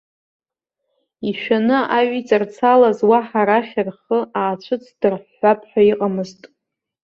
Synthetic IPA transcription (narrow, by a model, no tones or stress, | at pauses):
iʃᶣanɨʔaɥit͡sʼart͡sʰalazwaħaɾaχʲarχəaːt͡ʃʷʰɨt͡sʰd̥ɨrħːʷapʰħʷᶣaiqʼamɨztʼ